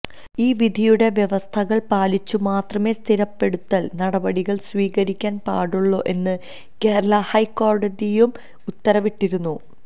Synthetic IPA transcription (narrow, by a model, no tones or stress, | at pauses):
iːʋid̪ʱijuɽe̞ʋjeʋɐst̪ʰɐɣɐɭpaːlit͡ɕːumaːt̪rɐme̞ːst̪ʰiɾɐpːe̞ɽut̪ːɐlnɐɽɐbɐɽiɣɐɭsʋiːɣɐɾikʲːaːnpa̰ːɽuɭːo̞ːʔe̞nːɨ | keːɾlɐhɐjkːo̞ːrɖɐd̪ijum | ut̪ːɐɾɐʋiʈːiɾunːu